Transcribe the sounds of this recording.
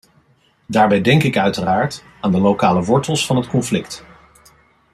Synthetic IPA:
daːɹbɛjdɛŋkɪkœɥtəraːɹt | aːndəlowkaːləʋɔɹtəlˠsfɑnɦətkɔnflɪkt

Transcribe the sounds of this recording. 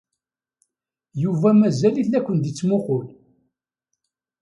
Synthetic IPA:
juvæmæzæliθækʷːənd̪it͡sːmʊqʊl

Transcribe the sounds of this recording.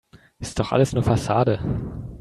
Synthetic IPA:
ʔɪstd̥ɔχʔa̰ləsnuːɐfasaːdə

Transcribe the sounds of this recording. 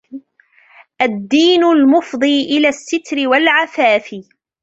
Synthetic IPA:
ʔad̪ːiːnʊlmʊfd̪ˤiːʔɪlaːsːɪt̪ɾɪwalʕafaːfɪ

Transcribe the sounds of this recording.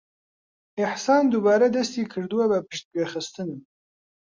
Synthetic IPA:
ɪħsɑːnd̪ubɑːɾad̪ɐst̪iːkʰɨɾd̪uwabɐpɨʃt̪̚ɡexɨst̪ɨnɨm

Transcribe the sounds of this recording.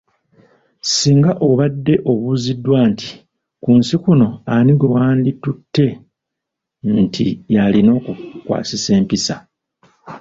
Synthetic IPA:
siːŋɡaʔo̞βadːe̞ʔo̞βuzidwaːnti̥ | kuːnsikuno̞aniɡwe̞waːnditutːe̞ | ntʰijalino̞ːkukwa̰ːsise̞ːmpisa

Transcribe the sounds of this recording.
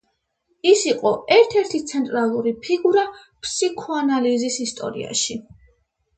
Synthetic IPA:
isiqʼɔɛɾt̪ʰɛɾt̪ʰit̪sʰɛnt̪ʼɾalˠuɾipʰiɡuɾa | pʰsikʰɔanalizisist̪ʼɔ̰ɾḭa̰ʃi

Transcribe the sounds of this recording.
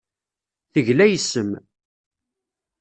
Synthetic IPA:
θəʝlæjəsːəm

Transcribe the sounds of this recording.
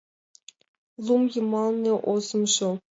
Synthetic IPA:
lˠumjɤ̆mɑlˠnʲɤʔozɤ̆mʂɤ

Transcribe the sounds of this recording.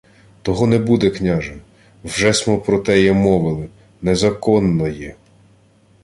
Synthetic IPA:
t̪ɔɦɔnebud̪ɛknʲaʒɐ | wʒɛsmɔpɾɔt̪ɛjɛmɔʋɪlˠɪ | nezɐkɔnːɔjɛ

